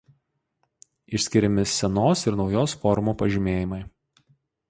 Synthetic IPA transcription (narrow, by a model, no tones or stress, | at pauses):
ɪʃʲsʲkʲɪɾʲɪmʲɪsʲɛnoːsɪɾnɒʊjoːsfɔɾʊmuːpɐʒʲimʲeːjɪmɐɪ